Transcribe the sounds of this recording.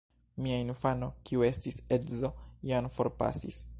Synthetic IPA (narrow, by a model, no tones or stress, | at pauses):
miainfano̞kiue̞stisedzo̞janfo̞ɾpa̰sḭs